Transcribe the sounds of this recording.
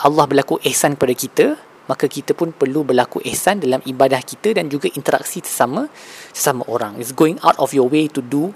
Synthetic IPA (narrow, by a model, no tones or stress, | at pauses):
ʔalːɑhbərlakuʔɛhsankəpadakit̪ə | makakit̪əpʊnpərlubərlakuʔɛhsandalamibadahkit̪ədand͡ʒuɡaʔint̪əɾa̰k̚sit̪ə̥samə̃sə̥samãʔoɾaŋitsɡoɪ̃ŋa̰wtɔfjɔwet̪udu